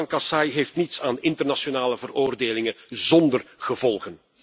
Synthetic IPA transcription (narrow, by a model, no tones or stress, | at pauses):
ŋkɑsɑjɦeːftnitsaːnɪntərnasjonaːləvəroːrdeːlɪŋəzɔndərɣəvɔlˠɣən